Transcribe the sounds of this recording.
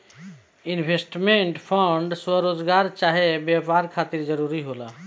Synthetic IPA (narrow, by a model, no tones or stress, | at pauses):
inbʱesʈmeɳʈpʰəɳɖswəɾod͡ʒɡaɾt͡ʃaɦebjapaɾkʰat̪iɾd͡ʒəɾuɾiɦola